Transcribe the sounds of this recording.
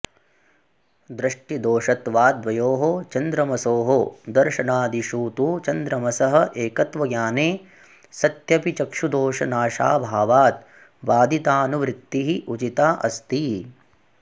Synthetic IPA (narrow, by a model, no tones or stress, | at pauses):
d̪ɾɐʂʈid̪oːʂɐt̪ʋaːd̪ʋɐjoːɦot͡ʃɐnd̪ɾɐmɐsoːɦod̪ɐɾʃɐnaːd̪iʃuːt̪uːt͡ʃɐnd̪ɾɐmɐsɐɦɐ̆ʔeːkɐt̪ʋɐɡjaːneː | sɐt̪jɐpit͡ʃɐkʂud̪oːʂɐnaːʃa̰ːbʱaːʋaːt̪ | ʋaːd̪it̪aːnuʋɾɪt̪ːiɦiʔut͡ʃit̪aːʔɐst̪i